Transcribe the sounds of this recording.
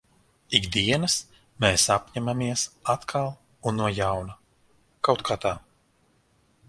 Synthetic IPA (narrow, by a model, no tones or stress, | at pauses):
iɡd̪iɛnɐs | meːsapɲɛmamiɛsat̪kʰalˠ | unːuɔjawna | kawt̪kʰaːt̪aː